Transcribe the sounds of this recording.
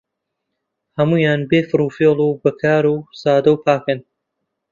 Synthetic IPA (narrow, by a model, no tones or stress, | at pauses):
hɐmuːjaːnbeːfɨɾuːfeːlˠubɐkʰaːɾuːsaːd̪ɐwpʰaːkɨn